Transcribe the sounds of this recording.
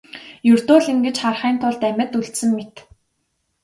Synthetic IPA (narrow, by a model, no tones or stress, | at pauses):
jɵrt̪oːɮiŋɡĕt͡ɕχarχiːnt̪ʰʊɮt̪æmʲə̆t̪uɬt̪sɘ̆mːet̪